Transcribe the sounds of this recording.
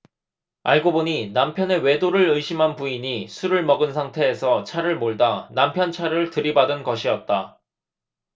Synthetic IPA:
a̰ɭɡoboɲinampʰjʌne̞we̞doɾɯɾɯjɕʰimɦanpuiɲisʰuɾɯɭmʌɡɯnsʰaŋtʰe̞ːsʰʌt͡ɕʰaɾɯɭmoɭdanampʰjʌnt͡ɕʰaɾɯɭtɯɾibadɯnɡʌɕʰiʌt̚t͈a

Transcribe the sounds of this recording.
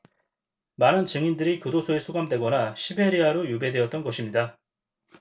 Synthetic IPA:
manɯnt͡ɕɯŋindɯɾikjodosʰoesʰuɡamdwe̞ɡʌnaɕʰibe̞ɾiaɾojube̞dwe̞ʌt̚t͈ʌnɡʌɕʰimɲida

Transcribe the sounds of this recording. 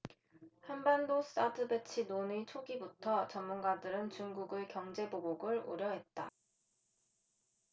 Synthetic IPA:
hanbandosʰɯ̥s͈ʰadʰɯbet͡ɕʰinonit͡ɕʰoɡibutʰʌt͡ɕʌmːunɡadɯɾɯnt͡ɕuŋɡuɡɯɭkjʌŋd͡ʑe̞boboɡɯɭo̰ɾjʌɦe̞t̚t͈a̰

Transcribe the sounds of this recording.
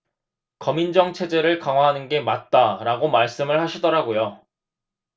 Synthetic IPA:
kʌmind͡ʑʌŋt͡ɕʰe̞d͡ʑe̞ɾɯɭkaŋɦwaɦanɯnɡe̞mat̚t͈aɾaɡomaɭs͈ɯmɯɭhaɕʰidʌɾaɡojo

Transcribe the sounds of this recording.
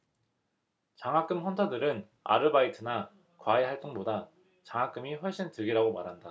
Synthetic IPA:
t͡ɕaŋɦak͈ɯmɸʌntʰadɯɾɯn | a̰ɾɯbaitʰɯna | kwaehaɭt͈oŋboda | t͡ɕaŋak͈ɯmiɸʌɭɕ͈intɯɡiɾaɡomaɾɦanda

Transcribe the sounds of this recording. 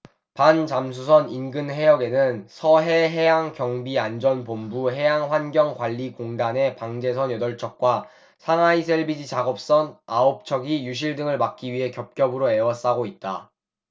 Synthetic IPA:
pant͡ɕams̬ʰusʰʌninɡɯnɦe̞jʌɡe̞nɯnsʰʌɦe̞ɦe̞jaŋkjʌŋbiand͡ʑʌnpombuɦe̞jaŋɸwanɡjʌŋkwaʎːikoŋdane̞paŋd͡ʑe̞sʰʌnjʌdʌɭt͡ɕʰʌk̚k͈wa | sʰaŋaisʰe̞ɭbid͡ʑit͡ɕaɡʌp̚s͈ʌnaop̚t͡ɕʰʌɡijuɕ̬ʰiɭdɯŋɯɭmak͈̚iɥiɦe̞kjʌp̚k͈jʌbɯɾoe̞wʌs͈aɡoit̚t͈a

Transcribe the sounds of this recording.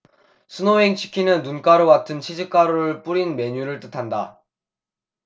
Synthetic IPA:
sʰɯnoɦeŋt͡ɕʰi̥kʰinɯnːunk͈aɾoɡatʰɯnt͡ɕʰid͡ʑik͈aɾoɾɯɭp͈uɾinme̞ɲuɾɯɭt͈ɯtʰanda̰

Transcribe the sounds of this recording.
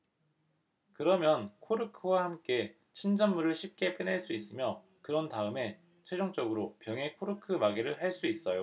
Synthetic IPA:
kɯɾʌmjʌnkʰoɾɯkʰɯwahamk͈e̞ | t͡ɕʰind͡ʑʌnːuɾɯɭɕʰip̚k͈e̞p͈ɯneɭs͈uis͈ɯmjʌ | kɯɾʌntaɯme̞ | t͡ɕʰwe̞d͡ʑoŋt͡ɕ͈ʌɡɯɾopjʌŋe̞kʰoɾɯkʰɯmaɡiɾɯɭɦaɭs͈uis͈ʌjo

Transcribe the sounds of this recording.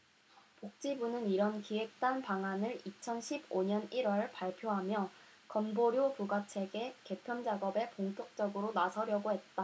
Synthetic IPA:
pok̚t͡ɕ͈ibunɯniɾʌnkiwe̞k̚t͈anpaŋanɯɭit͡ɕʰʌnɕʰiboɲʌniɾwʌɭpaɭpʰjoɦamjʌ | kʌnboɾjopuɡat͡ɕʰe̞ɡe̞ke̞pʰjʌnd͡ʑaɡʌbe̞poŋtʰok̚t͡ɕ͈ʌɡɯɾonasʰʌɾjʌɡoɦe̞t̚t͈a

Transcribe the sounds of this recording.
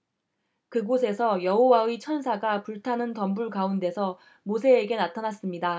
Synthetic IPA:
kɯɡos̬ʰe̞sʰʌjʌɦowait͡ɕʰʌns̬ʰaɡapuɭtʰanɯntʌmbuɭkaunde̞sʰʌ | mosʰe̞ːɡe̞natʰanas͈ɯmɲida

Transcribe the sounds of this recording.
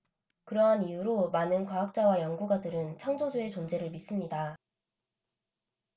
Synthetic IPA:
kɯɾʌɦanijuɾomanɯnkwaɦak̚t͡ɕ͈awajʌŋɡuɡadɯɾɯnt͡ɕʰaŋd͡ʑod͡ʑue̞t͡ɕond͡ʑe̞ɾɯɭmis͈ɯmɲida

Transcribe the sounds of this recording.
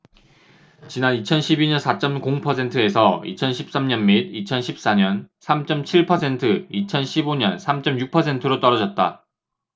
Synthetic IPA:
t͡ɕinanit͡ɕʰʌnɕʰibiɲʌnsʰat͡ɕ͈ʌmkoŋpʰʌsʰe̞ntʰɯe̞sʰʌḭt͡ɕʰʌnɕʰip̚s͈amɲʌnmid̚it͡ɕʰʌnɕʰip̚s͈aɲʌnsʰamt͡ɕ͈ʌmt͡ɕʰiɭpʰʌsʰe̞ntʰɯit͡ɕʰʌnɕʰiboɲʌnsʰamt͡ɕ͈ʌmjuk̚pʰʌs̬ʰe̞ntʰɯɾot͈ʌɾʌd͡ʑʌt̚t͈a̰

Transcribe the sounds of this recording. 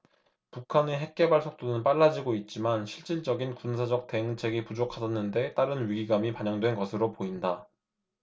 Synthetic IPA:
pukʰaneɦe̞k̚k͈e̞baɭsʰok̚t͈onɯnp͈aɭːad͡ʑiɡoit̚t͡ɕ͈imanɕʰiɭt͡ɕ͈iɭd͡ʑ͈ʌɡinkunsʰad͡ʑʌk̚t͈e̞ɯŋt͡ɕʰe̞ɡipud͡ʑokʰasʰʌnːɯnde̞t͈aɾɯnɥiɡiɡamipaɲʌŋdwe̞nɡʌsʰɯɾopoinda

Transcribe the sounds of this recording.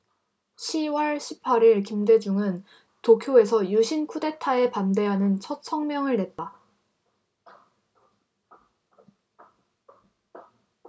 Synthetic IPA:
ɕʰiwʌɭɕʰipʰaɾiɭkimde̞d͡ʑuŋɯn | tokʰjoe̞sʰʌjuɕʰinkʰude̞tʰae̞pande̞ɦanɯnt͡ɕʰʌt̚sʰʌŋmjʌŋɯɭne̞t̚t͈a

